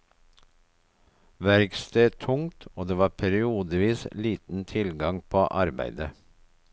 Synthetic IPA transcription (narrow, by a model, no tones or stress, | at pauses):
ʋæɾɡst̪eːt̪ʰʊŋt̪ʰoːd̪eːʋɑːpʰæɾɪuːd̪əʋiːsliːt̪n̩t̪ʰɪlɡɑŋpʰoːʔɑɾbæ̰ɪd̪ə